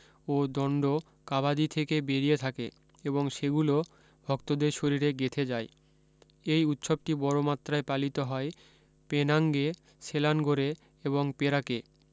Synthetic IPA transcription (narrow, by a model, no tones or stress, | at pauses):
od̪ɔɳɖo | kabad̪it̪ʰekebeɾiet̪ʰakḛ | eboŋʃeɡulo | bʱɔkt̪od̪eɾʃoɾiɾeɡet̪ʰed͡ʑae | ejut̪ʃob̚ʈibɔɾomat̪ːɾaepalit̪oɦɔe | penaŋɡe | selanɡoɾe | eβoŋpeɾake